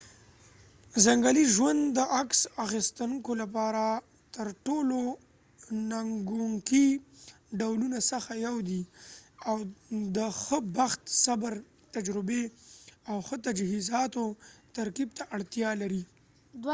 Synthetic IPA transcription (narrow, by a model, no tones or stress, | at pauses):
zaŋɡaliʒwand̪ːəʔaksaxist̪ankolapɑɾa | t̪əɾʈolo | naŋɡuŋki | ɖawlunasəxajawd̪iawd̪əxəbaxt̪sabəɾ | t̪ad͡ʒɾɪbeawxət̪ad͡ʒhizɑt̪ot̪aɾkib̚t̪aʔaɽt̪jɑlaɾi